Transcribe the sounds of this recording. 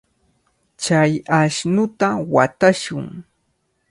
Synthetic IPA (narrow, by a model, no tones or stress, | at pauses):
t͡ʃajaʃnʊt̪awat̪aʃʊŋ